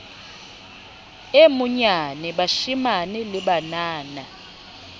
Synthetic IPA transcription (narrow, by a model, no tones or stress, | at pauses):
emuɲanɛɓaʃimanɛlɪɓanaːna